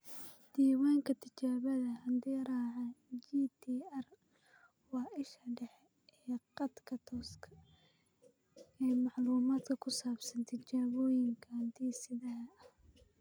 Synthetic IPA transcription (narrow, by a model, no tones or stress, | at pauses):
d̪̥iːwaːŋkʰɐt̪ʰɐt͡ʃaːβɐðɐhɐnd̪ɛɾaːʕad͡ʒiːt̪ʰiːɛr | wɑːʔɪʃɐɖɛħɛ | ɛːqɑd̪kʰɐt̪ʰɔːskʰɐ̥ | ɛjmɑħluːmaːd̪kʰɐkʰʊsaːbsɐnt̪ʰɐt͡ʃaːβɔːjɪŋkʰɐnt̪ʰiːsɪðɐɦɐɐ